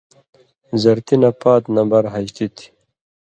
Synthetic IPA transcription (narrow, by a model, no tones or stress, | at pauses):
zɐɾt̪inapaːt̪nɐmbɐɾɦɐɕt̪it̪ʰi̥